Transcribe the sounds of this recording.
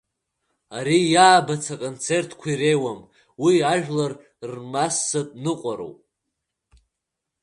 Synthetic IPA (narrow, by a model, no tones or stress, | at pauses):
aɾijaːbat͡sʰakʼont͡sʰe̞rtʰkʷʰairejwam | wiaʒᶣlar | rmasːatʼnɨqʷʼaɾo̰wpʼ